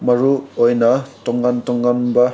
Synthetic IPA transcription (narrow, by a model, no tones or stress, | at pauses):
mɐɾuojnɐtɔŋɡantɔŋɡanba